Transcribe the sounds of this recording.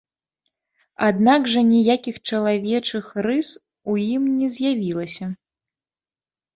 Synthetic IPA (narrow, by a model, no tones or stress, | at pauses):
ad̪naɡʐɐnʲijakʲixt͡ʂɐlˠavʲɛt͡ʂɨxrɨs | ujimnʲɛzʲjavʲilˠɐsʲɐ